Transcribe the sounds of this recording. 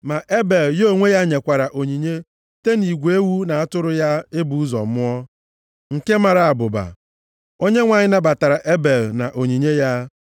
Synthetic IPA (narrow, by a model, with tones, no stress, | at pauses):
ma˨ʔe˦be˨ljo˦˨ŋʷe˦ja˦ɲe˨kʷa˨ɾa˨ʔo˨ɲi˨ɲe˦ | te˦ni˨ɡʷe˦wu˦na˨a˦tʊ˦ɾʊ˦ja˦e˦bu˨u˦zɔ̰˨mʊ˦ɔ˦ | ŋ̩˨ke˦ma˨ɾa˨a˨bʊ˨ba̰˨ | o˦ɲe˦ŋʷa˨ɲɪ˦na˦ba˨ta˨ɾa˨ʔe˦be˨lna˨ʔo˨ɲi˨ɲe˦ja˦